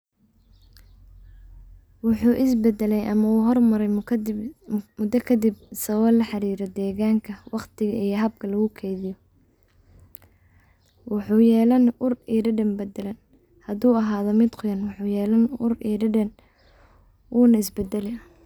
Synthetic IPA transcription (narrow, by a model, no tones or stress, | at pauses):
wɑħuːʔɪsbɛd̪ɛlɛjɐmɐuːɦɔrmɐɾɛj | mʊd̪ɐkʰɐd̪ibsɐɣɔːlɐħɑɾiːɾɛd̪ɛːɣaːŋkʰɐwɑqt̪ʰɪɣɐiɦɐb̚kʰɐlɐɣʊkʰɛjðɪjɔ | wɑħuːjɛːlɐnʊriːɖɪɖɐmbɛd̪ɛlɐn | hɐðuːɐɦaːðɔmɪd̪qʰʊjɐnwɑħuːjɛːlɐnʊriːɖɪɖɐn | ʔuːnɐɪsbɛd̪ɛlɛ